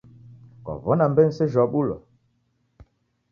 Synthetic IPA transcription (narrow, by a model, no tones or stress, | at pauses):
kɔ̰vɔnamben̩seʒɔɓulɔ̰